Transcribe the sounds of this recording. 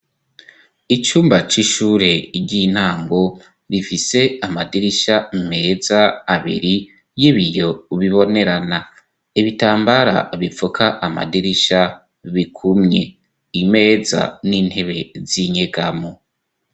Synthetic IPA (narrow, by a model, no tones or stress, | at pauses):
it͡ʃuːmbat͡ʃiʃuːɾe̞ɟin̥haːŋɡo̞ | βifise̞amadiɾiʃame̞ːzaːβḭɾi | jiβijo̞βiβo̞ne̞ɾana | iβitaːmbaɾa̰βifukʰaʔama̰diɾiʃa | βikʰumɲe̞ | ime̞ːza̰niːn̥he̞βe̞ziɲe̞ɡamo